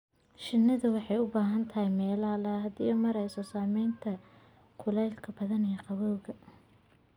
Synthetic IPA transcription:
ʃɪnːɐðɐwɑħɑjʊbaːɦɐnt̪ʰɐhɛjmɛːlaːlɐhɐd̪ḭːjɔmɐɾɐjsɔsaːmɛjnt̪ʰɐ | kʰʊlɛjlkʰɐbɐðɐnijqɑβɔwɣɐ

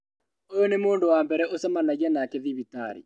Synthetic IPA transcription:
ojɔnemoːndowambɛɾɛʔosɛmanaɣɛnakeðiβita̰ɾḭ

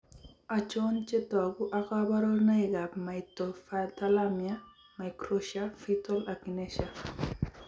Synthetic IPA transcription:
at͡ʃont͡ʃetɔaɡuʔakabaɾonaiɡapmajtɔfatalamja | majkɾoʃafitɔlakineʃa

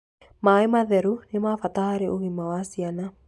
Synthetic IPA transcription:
maːemaðɛɾunemafat̪ahaɾeʔoɣimawasiana

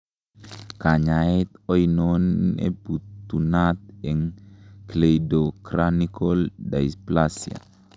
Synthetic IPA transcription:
kaɲait̪ɔjnonḛbut̪ːunat̪̚ɛŋklejdokɾanikoldaisplasia̰

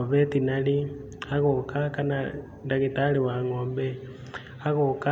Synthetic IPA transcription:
oβetinali | aɣokakana | ndaɣitaliwaŋoːmbe | aɣoka

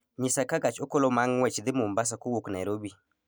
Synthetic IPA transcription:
ɲɪsakaɡat͡ʃokɔlɔmaŋwɛt͡ʃd̪ɪmumbas̬akowoknajɾobi

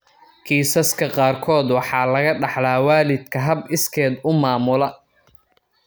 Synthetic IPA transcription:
kʰiːsɐskʰɐqɑːrkʰɔːd̪wɑħɑːlɐɣɐɖɑħlaːwaːlɪd̪kʰɐɦɐbɪskʰɛːd̪ʊmaːmʊlɐ

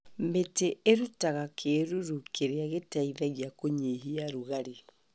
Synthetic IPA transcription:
meteʔːɾutaɣakʰeɾuɾukeɾeaɣetaiðaɣjakoɲeɦiaɾuɣaɾi

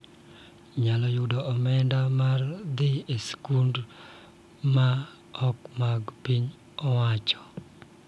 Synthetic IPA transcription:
ɲalɔjudɔɔmɛndamard̪ɪeskund | ma | ɔkmaɡpiɲ | ɔwat͡ʃɔ̥

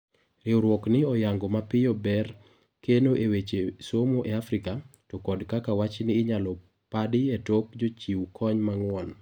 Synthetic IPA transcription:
ɾɪɔɾwɔknɪɔjaŋɡɔmapɪjɔbɛr | kenoʔewet͡ʃesomoʔeafɾɪkatɔkɔdkakawat͡ʃnɪːɲalɔ | padɪetokd͡ʒot͡ʃiwkʰɔɲmaŋwɔn

